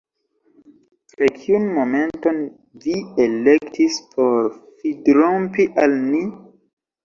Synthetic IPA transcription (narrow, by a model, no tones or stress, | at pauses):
pɾekʰiunmomento̞n | vielektʰispʰo̞ɾfidɾompiʔalmi